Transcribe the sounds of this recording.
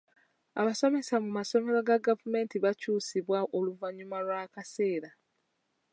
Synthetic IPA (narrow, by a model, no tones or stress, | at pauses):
aβaso̞me̞samumaso̞me̞ɾo̞ɡaɡavume̞ːntiβacuːsiβwaʔo̞luvaɲumalwaːkase̞ːɾa